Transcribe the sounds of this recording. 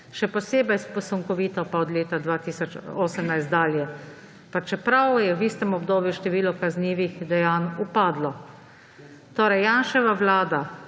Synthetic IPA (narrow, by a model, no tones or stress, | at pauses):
ʃɛpɔseːbɛjspɔsɔŋkɔʋiːt̪ɔpaɔd̪leːt̪ad̪ʋaːt̪iːsɔt͡ʃoːsəmnajst̪d̪aːljɛ | pat͡ʃɛpɾawjɛwiːst̪ɛmɔbd̪oːbjuʃt̪ɛʋiːlɔkazniːʋixd̪ɛjaːnupaːd̪lɔ | t̪oːɾɛjːaːnʃɛʋaʋlaːd̪a